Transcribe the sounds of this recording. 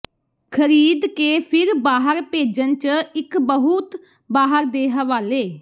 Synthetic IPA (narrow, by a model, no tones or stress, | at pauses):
kʰəɾiːd̪keːpʰɪɾbaːɦəɾpeːd͡ʒənt͡ʃɪkbəɦʊt̪ | baːɦəɾd̪eːɦəʋaːleː